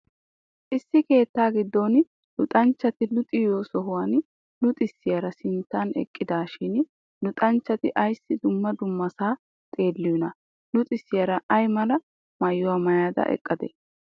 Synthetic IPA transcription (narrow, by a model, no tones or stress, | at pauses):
ʔɪsːɪke̞ːt̪ːaːɡɪd̪ːon | lʊt̪ʼɐnt͡ʃːɐt̪ɪlʊt̪ʼɪjoːsɔɦʊwɐn | nʊt̪ʼɪsːɪjɐɾɐsɪnt̪ːɐnɛ̰kʼːɪd̪aːʃɪn | nʊt̪ʼɐnt͡ʃːɐt̪ɪʔɐjsːɪd̪ʊmːɐd̪ʊmːɐsaː | t̪ʼe̞ːlːɪjʊnɐ | nʊt̪ʼɪsːɪjɐɾɐʔɐjmɐlɐ | mɐjːʊwɐmɐjaːd̪ɐ̰ʔɛ̰kʼːɐd̪ɛ̰